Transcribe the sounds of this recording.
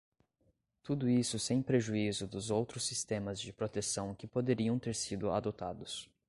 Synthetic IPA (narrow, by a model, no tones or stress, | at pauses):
t̪ud̪ʊisʊsẽj̃pɾeʒuizʊd̪ʊzowt̪ɾʊsːist̪ẽmɐzd͡ʒɪpɾot̪esɐ̃w̃kɪpod̪eɾiɐ̃w̃t̪eɾsid̪ʊa̰d̪ot̪ad̪ʊs